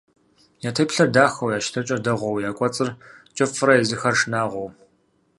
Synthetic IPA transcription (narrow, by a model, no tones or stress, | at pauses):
jaːtʰepɬɐrdaːxɐwjaːʃtʰɐt͡ʃʼɐdɐʁʷɔwjaːkʷʼɔt͡sʼɨrt͡ʃʼɐfɨɾɐjɛzɨxɐrʂnaːʁʷɔw